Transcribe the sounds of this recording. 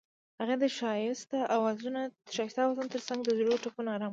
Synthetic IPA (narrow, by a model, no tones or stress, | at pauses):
haɣad̪əʃɑjɪst̪aʔawazunaʃɑjɪst̪awat̪ant̪əɾsaŋɡd̪əzɽoʈopunaɾam